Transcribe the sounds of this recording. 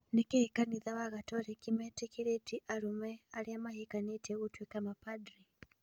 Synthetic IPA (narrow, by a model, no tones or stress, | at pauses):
nikɛhikaniðawaɣatɔɾɛkimɛtikiɾɛtiʔaɾumɛaliamaɦikanitɛutwikamapadɾi